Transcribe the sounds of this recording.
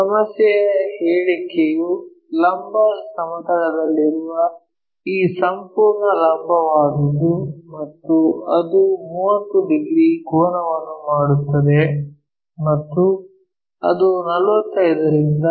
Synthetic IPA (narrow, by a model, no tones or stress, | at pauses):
sɐmɐsjɐjɐheːɭikeju | lɐmbʱɐsɐmɐt̪ɐɽɐd̪ɐlːiɾuʋɐ | iːsɐmpuːɾɳɐlɐmbʱɐʋaːd̪ud̪umɐt̪ːuɐd̪umuːʋɐt̪ːuɖiɡɾiɡɔːnɐʋɐnːumaːɽut̪ːɐd̪e | mɐt̪ːu | ɐ̰d̪unɐlʋɐt̪ːɐjd̪ɐɾind̪ɐ